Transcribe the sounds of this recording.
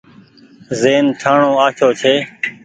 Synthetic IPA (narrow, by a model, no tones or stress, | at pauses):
zeːnʈʰaːɳoːaːt͡ʃʰoːt͡ʃʰeː